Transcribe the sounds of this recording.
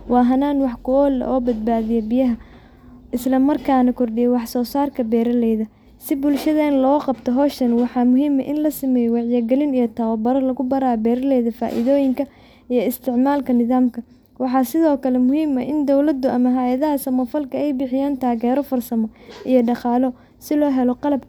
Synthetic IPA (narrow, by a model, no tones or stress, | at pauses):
wɑːɦɐnaːnwɑħkʰʊɔːlɛ̰ʔɔːbɐd̪̚baːðɪjɐbɪjɐɦɐ | ʔɪslɐmɐrkʰaːnɐkʰʊrɖɪjɛwɑħsɔːsaːrkʰɐbɛːɾɐlɛjðɐ | sɪbʊlʃɐðɛːnlɔːqɑbt̪ʰɔɦɔːʃɐnwɑħɑːmʊɦiːmɐʔɪnlɐsɪmɛːjwɑʕjɐɡɛlɪnijɔt̪ʰaːwɔbɐɾɐlɐɣʊbɐɾaːbɛːɾɐlɛjðɐfa̰ːʔɪ̰ðɔːjɪŋkʰɐ | ijɔɪst̪ʰɪʕmaːlkʰɐnɪðaːmkʰɐ | wɑħɑːsɪðɔːkʰɐlɛmʊɦiːmɐʔɪnd̪ɔwlɐd̪ʊʔɐmɐɦajɐðɐɦɐsɐmɔfɐlkʰɐɛjbɪħɪjaːnt̪ʰaːɣɛːɾɔfɐrsɐmɔʔijɔɖɑqɑːlɔ | sɪlɔːɦɛlɔqɑlɐb̚k